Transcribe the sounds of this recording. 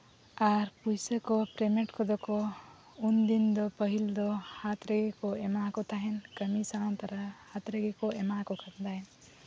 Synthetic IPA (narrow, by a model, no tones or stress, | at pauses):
aɾpujsəkopɾemeʈkʰɔd̪ɔko | und̪ind̪ɔpəɦild̪ɔhat̪ɾeɡekoemakot̪ʰaɦɛnkəmisalant̪əɾəhat̪ɾeɡekoemakokʰakd̪aɦen